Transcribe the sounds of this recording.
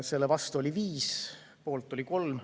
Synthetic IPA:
se̞lːevɑst̪uolʲiviːs | po̞ːlt̪ːˑo̞liko̞lm

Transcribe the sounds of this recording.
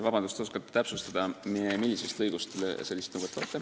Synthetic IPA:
vɑbɑnd̪ust̪oskɑt̪ːt̪ːæpsust̪ɑd̪̥ɑmmilʲːisest̪ɤjɡ̥ust̪se̞lʲːist̪nuwvot̪ːˑvɑːt̪ːˑe

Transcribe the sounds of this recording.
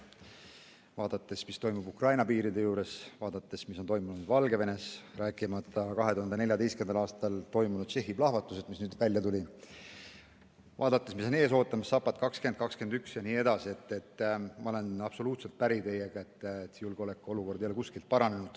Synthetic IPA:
vɑːd̪̥ɑt̪ːˑe̞smist̪o̞jmubukrɑjnɑpiːɾid̪e̞juːɾe̞svɑːd̪̥ɑt̪ːe̞smisont̪o̞jmunud̪̥vɑlɡe̞ve̞ne̞sɾæːkːˑimɑt̪ːˑɑkɑɦe̞t̪uhɑnd̪ene̞lʲjɑd̪e̞jskend̪ɑlɑːst̪ɑlt̪o̞jmunud̪̥t͡ʃe̞ɦːiblɑhvɑt̪ːˑused̪̥misnyːd̪vælʲjɑt̪ulʲi | vɑ̰ːd̪ɑt̪ˑːesmiso̞ne̞ːs̬o̞ːt̪ːˑɑmɑsːɑpːˑɑt̪kɑkske̞nd̪̥̚kɑkske̞nd̪yksjɑniːe̞d̪̥ɑsie̞t̪ːe̞t̪ːˑmɑo̞le̞nɑb̥so̞luːt̪se̞lt̪̚pæɾit̪e̞je̞ɡ̥ɑe̞t̪ːt̪sijulɡ̥o̞lekːˑooluko̞rd̪jɑlekuskilt̪̚pɑɾɑne̞nud̪̥

